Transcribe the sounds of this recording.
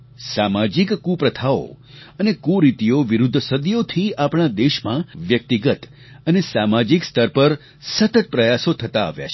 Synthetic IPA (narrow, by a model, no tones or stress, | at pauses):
samad͡ʒikːũpɾət̪ʰao̰ | ənekuɾit̪ijoʋiɾud̪ʱːsəd̪jot̪ʰiapɽ̃ad̪eʃmãʋjək̚t̪iɡət̪ | ənesamad͡ʒikst̪ʰəɾpəɾ | sət̪ət̪̚pɾəjasot̪ʰət̪a̰ːʋja̰t͡ʃʰ